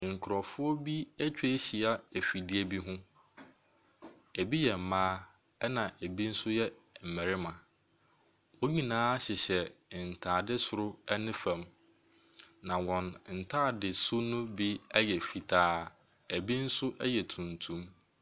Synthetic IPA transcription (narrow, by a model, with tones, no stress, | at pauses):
ŋ̩˨kʰʊ˨ɾɔ˨fʊ˦ɔ˦bi˦æ˦t͡ɕᶣe˦ɕi˨a˦æ˨fi˨dɪ˦e˦bi˦ɦʊ̃˦ | æ˨bi˦jɛ˨m̩˨mãː˦ | ɛ˦nã˨ʔæ˨bi˦n̩˦sʊ˦jɛ˦m̩˨mɪ˨ɾɪ˦mã˨ | wo˦ɲĩ˨nãː˦ɕɪ˨ɕɛ˨n̩˨tʰaː˨dɪ˦sʊ˨ɾʊ˦ɛ˦nɪ̃˦fã˨m | nã˨wɔ̃˨nn̩˨tʰaː˦˨dɪ˨sʊ˦nʊ̃˦bi˦ɛ˦jɛ˨fi˨tʰaː˦ | æ˨bi˦n̩˦sʊ˦ʔɛ˦jɛ˨tʰũ˨ntʰũ˦m